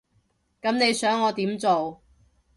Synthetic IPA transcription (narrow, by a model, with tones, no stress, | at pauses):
kɐ˨˥mne˨˧jsœː˨˥ŋːɔː˨˧t̪iː˨˥mt͡so˨w